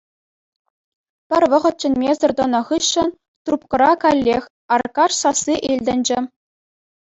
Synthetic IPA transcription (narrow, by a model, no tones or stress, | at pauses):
pʲɘ̆rʲʋɤ̆ʁɤ̆t̪̚t͡ɕɘ̆nʲmʲezɤ̆rʲd̪ŏnɑ̆ʁɯɕːɘ̆n | t̪rupkɤ̆ɾɑkɑlʲːexʲ | ɑrkɑʂsɑsːiʔilʲdʲɘ̆nʲd͡ʑɘ̆